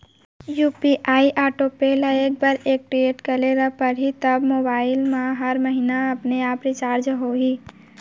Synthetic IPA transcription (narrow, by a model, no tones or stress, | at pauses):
juːpiʔaːiʔaːʈopelaek̚bɐɾeːk̚ʈɾieːʈkɐleɾapɐɾɦit̪ɐbmoːbaːɪlmãɦɐɾməɦinaɐpneaːpɾɪt͡ʃaːɾd͡ʒɦoːɡiː